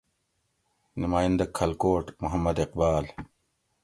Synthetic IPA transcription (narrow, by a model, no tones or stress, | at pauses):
numaːjɐnd̪ɐkʰːɐlkoːʈmuɦɐmːɐd̪eqbaːl